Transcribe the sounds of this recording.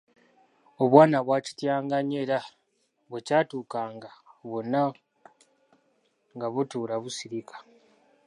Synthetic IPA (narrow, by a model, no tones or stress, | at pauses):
o̞βwaːnaβwaːci̥tjaːŋɡaɲeɾa | βwecaːtuːkaːŋɡaβo̞nːa | ŋɡaβutuːɾaβusiɾikʰḁ